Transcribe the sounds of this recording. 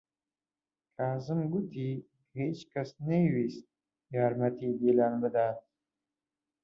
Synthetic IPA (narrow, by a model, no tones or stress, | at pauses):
kaːzəmɡut̪ʰi | khet͡ʃkasnawist̪̚ | jɑːɾmat̪id̪ilɑːnbəd̪ɑːt̪